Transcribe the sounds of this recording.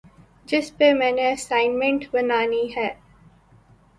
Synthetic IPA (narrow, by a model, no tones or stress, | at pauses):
d͡ʒɪspemɛ̃ːneəsãɪnmẽɳʈʋənaːniːɦɛː